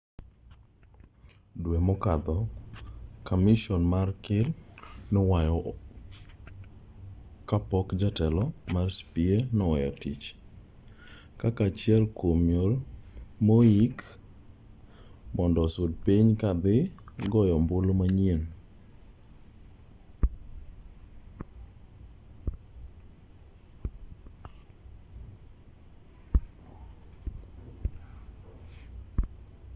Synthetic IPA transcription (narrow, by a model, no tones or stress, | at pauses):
dwemɔkad̪ɔ | kamɪʃɔnmarkɪlnɔwajɔ | kapɔkd͡ʒatɛlɔmarspienɔwajɔtit͡ʃ | kakat͡ʃɪɛlkwomjolmoik | mɔndɔsod̚piɲkad̪ɪɡɔjɔmbolomaɲien